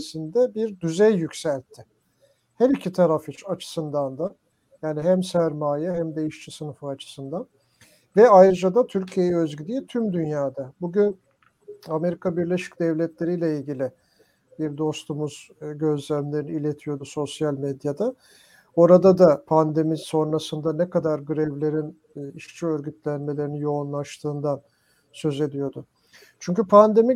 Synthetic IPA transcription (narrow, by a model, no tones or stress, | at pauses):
sind̪ɛbiɾd̪yzɛjːycsælʲt̪ʰːɪ | hæɾicʰit̪ʰaɾafit͡ʃʰat͡ʃʰɯ̥sɯnd̪and̪a | jaːniɦæmsæɾmaːjɛɦæmd̪e̞jiʃt͡ʃʰisɯnɯfɯat͡ʃʰɯ̥sɯnd̪an | vɛajɾɯd͡ʒad̪at̪ʰyɾcʰije̞jɛøzɡyd̪ʲiːt̪ʰymd̪ynjaːd̪abuɟyn | ame̞ɾikʰabiɾlʲe̞ʃi̥cd̪ɛvlʲɛt̪lʲe̞ɾijlʲɛilʲɟilʲɪ | biɾd̪o̞st̪umuz̥ɟø̞zlʲæmlʲe̞ɾiniilʲe̞t̪ʰijo̞d̪uso̞sjalʲmed̪jad̪a | o̞ɾad̪ad̪apʰand̪e̞miso̞nɾasɯnd̪anɛkʰad̪aɾɡɯɾɛvlʲe̞ɾinː | iʃt͡ʃʰiøɾɟyt̪ʰlʲænme̞lʲeɾinijo̞unlˠaʃt̪ʰɯːnd̪an | sø̞ze̞d̪ijo̞d̪ʊ | t͡ʃʰyɲcypʰand̪e̞mi